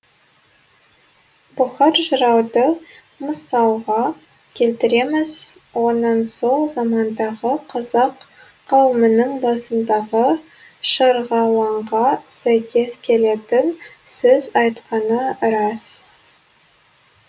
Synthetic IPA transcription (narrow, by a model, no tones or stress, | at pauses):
b̥ʊχɑɾʒəɾɑwd̪ə | məsɑlˠʁɑ | kʲʰe̞lt̪ɪɾe̞mɪz̥ | wo̞nɑnso̞lˠzɑmɑnd̪ɑʁəqʰɑzɑq | qʰːɑwəmənəɴbɑsənd̪ɑʁə | ʃəɾʁɑlˠɑɴʁɑsæjkʲe̞skʲʰe̞le̞t̪ɪnsɵzɑjt̪qɑnəɾɑs